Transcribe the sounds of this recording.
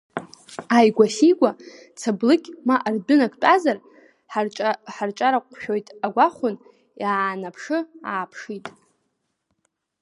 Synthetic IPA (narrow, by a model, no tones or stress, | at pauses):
ajɡʷasiɡʷa | t͡sʰablɨkʲʼmaʔardʊnakʷʼt͡pʼazar | ħʼħart͡ʃʼaɾaqʷʼʰʃᶣojtʼaɡʷaχʷʊn | jaːnapʰʂɨa̰ːpʰʂitʼ